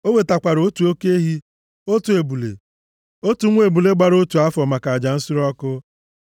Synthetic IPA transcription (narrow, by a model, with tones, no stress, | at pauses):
o˦we˨ta˨kʷa˨ɾo˦tu˨o˦ke˦ɦi˦ | o˦tu˨e˨bu˨lḛ˨ | o˦tu˨ŋʷ˦e˨bu˨le˦ɡ͡ba˨ɾo˦tu˨a˦fɔ˨ma˨ka˨d͡ʒa˨n̩˦sʊ˦ɾɔ˦kʊ˦